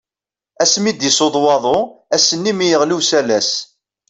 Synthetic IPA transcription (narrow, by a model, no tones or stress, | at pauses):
æsmid̪isoðˤwɑðˤoæsənːimijəʁluwsælæs